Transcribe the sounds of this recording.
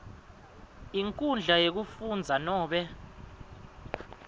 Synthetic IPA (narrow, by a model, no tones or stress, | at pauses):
iŋkʼund͡ɮʱajek̬ufund͡zʱanɔːɓɛ